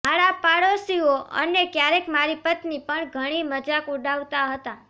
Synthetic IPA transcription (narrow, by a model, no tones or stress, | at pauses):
maɾapaɽosioʔə̰nekjaɾekmaɾipət̪nipəɳɡʱəɽ̃iməd͡ʒakuɖaʋt̪aɦət̪a